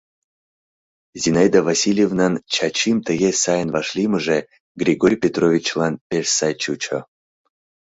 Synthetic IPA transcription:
zʲinajd̪avasʲilʲjevnant͡ʃʰat͡ɕimt̪əɣesajnvaʂlʲimɨʐɛ | ɡɾʲiɡoɾʲpʲet̪rovʲit͡ɕlˠanpʲersajt͡ʃut͡ʃʰo̰

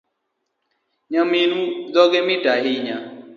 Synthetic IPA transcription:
ɲaminuzɔɡɛmitaɦiɲa

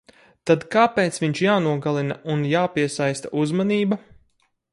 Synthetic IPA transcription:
t̪ad̪kaːpeːt̪sviɲt͡ʃjaːnuɔɡalˠinaunjaːpiɛsajst̪aʔuzmaniːba

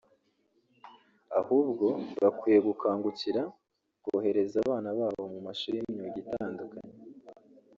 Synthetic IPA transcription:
ahuːbɡo̞βakwijeɡukaːŋɡuciɾa | ɡ̥oːhe̞ɾe̞zaːβaːnaβaːβomumaʃuɾimɲoɟitaːŋɡakaɲe

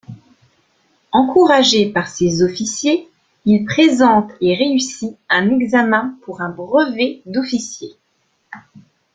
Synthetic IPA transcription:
ɑ̃kuʁaʒepaʁsezɔfisje | ilpχezɑ̃t̪eʁeysiɛ̃nɛɡzamɛ̃puʁɛ̃bʁəvɛd̪ɔfisje

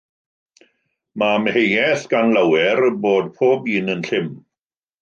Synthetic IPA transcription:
mamhejɛθɡ̥anlawɛrboːd̚pʰoːbiːnənɬɪm

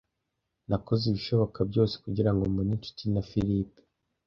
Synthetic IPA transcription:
nakozeβiʃo̞βo̞kabɟo̞ːse̥kuɟiɾaŋɡomunint͡ʃu̥tinafiɾipe̥

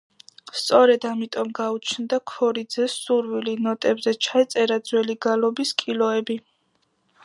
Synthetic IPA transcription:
st̪sʼɔɾɛd̪amit̪ʼɔmɡaut͡ʃʰnd̪akʰɔɾid̪zɛsuɾvilinɔt̪ʼɛbzɛt͡ʃʰaɛt̪sʼɛɾad̪zwɛliɡalɔbiskʼilɔɛbi

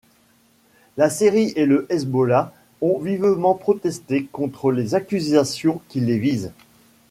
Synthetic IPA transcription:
laseʁiʔeləʔɛzbɔla | ɔ̃vivmɑ̃pχɔt̪ɛst̪ekɔ̃t̪χəlezakʲyzasjɔ̃kʲilːeviz

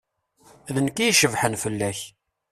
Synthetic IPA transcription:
ðənkijʃəvħənfəlːæç

